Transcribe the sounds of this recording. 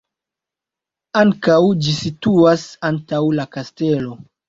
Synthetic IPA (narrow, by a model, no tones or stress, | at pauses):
aŋkawd͡ʒisituasantawlakaste̞lo̞